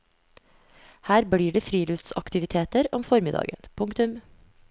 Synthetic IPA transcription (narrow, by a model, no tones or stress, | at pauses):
hæːɾbɽiːɖeːfɾiːløft̪sɑ̰kt̪ɪʋɪt̪ʰeːt̪əɾɔmfɔɾmɪd̪ɑ̰ːɡə̰npʰʊŋkt̪ʉm